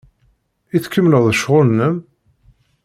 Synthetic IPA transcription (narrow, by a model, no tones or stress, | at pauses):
iθkːəmːləðˤəʃʁʊnːəm